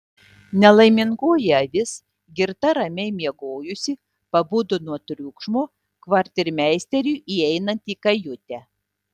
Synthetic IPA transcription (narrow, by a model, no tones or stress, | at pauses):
nʲɛlˠɐɪmʲɪŋɡuɔjɛɐʋʲɪs | ɡʲɪɾt̪ɐɾɐmʲɛɪmʲiɛɡoːjʊsʲɪ | pɐbʊd̪ʊnuɔt̪ʲɾʲʊkʃmoː | kʋɐɾʲt̪ʲɪɾʲmʲæˑɪsʲt̪ʲɛɾʲuːʔiɛɪnɐnʲt̪iːkɐjʊt̪ʲɛ